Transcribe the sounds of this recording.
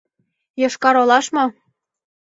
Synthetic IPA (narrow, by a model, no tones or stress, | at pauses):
jɤ̆ʃkɑɾolɑʃmo